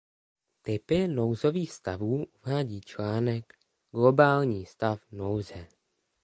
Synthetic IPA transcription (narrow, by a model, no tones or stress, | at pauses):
t̪ɪpɪnowzo̞viːxst̪avuːʔuvaːɟiːt͡ʃlaːnɛk | ɡ̥lo̞baːlɲiːst̪afnowzɛ